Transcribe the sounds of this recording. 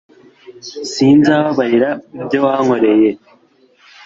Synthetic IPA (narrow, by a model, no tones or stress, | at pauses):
siːnzaβaβahiɾaubɟowaŋo̞ɾe̞je̞